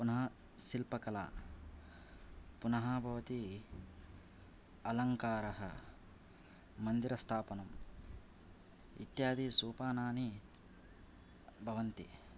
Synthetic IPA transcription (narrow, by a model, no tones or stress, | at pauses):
punɐɦɐ | silpɐkɐla̰ː | punɐɦabʱɐʋɐt̪i | ɐlɐŋkaːɾɐɦɐ̰ | mɐnd̪iɾɐst̪ʰaːpɐnɐm | ḭt̪jaːd̪isuːpaːnaːni | bʱɐʋɐnt̪ḭ